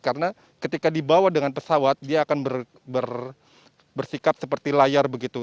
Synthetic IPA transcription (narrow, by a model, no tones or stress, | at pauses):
kaɾəna | kət̪ikadibawadəŋanpəsawat̪̚diaːkanbər | bər | bərsikap̚səpərt̪ilajarbəɡit̪u